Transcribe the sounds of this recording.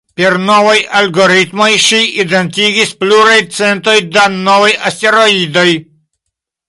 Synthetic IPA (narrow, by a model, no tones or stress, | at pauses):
pʲɛɾnɔvajalɡɔɾit̪mɔjʃiid̪ɛnt̪ʲiɡʲispluɾajt̪sɛnt̪ojd̪anɔvajast̪eɾoid̪ɔj